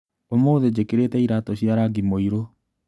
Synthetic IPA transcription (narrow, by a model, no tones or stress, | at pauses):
omoːðed͡ʑekeɾetɛiɾatɔɕjaɾaɡimoiɾo